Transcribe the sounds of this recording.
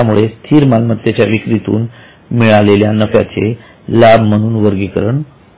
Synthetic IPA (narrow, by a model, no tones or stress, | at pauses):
amuɭest̪ʰiːɾmalmət̪jət͡ɕjaʋikɾit̪ṵːn | miɭaleljanəfja̰t͡sḛ | labʱm̤əɽ̃uːnʋəɾɡikəɾəɳ